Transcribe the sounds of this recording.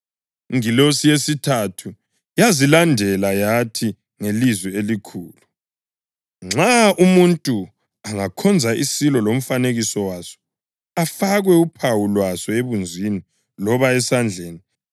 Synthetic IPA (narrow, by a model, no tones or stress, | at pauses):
ŋilosijesitʰatʰu | jazilandʱɛlajatʰi | ŋelizwielikʰuːlu | ŋ͡ǁaʔumuntʼu | aŋakʰɔnd͡zʱaʔisilɔlom̩faneɣisɔwasɔ̥ | afaɣwɛupʰawulwasɔeβund͡zʱini | lɔβaɛsand͡ɮʱeːni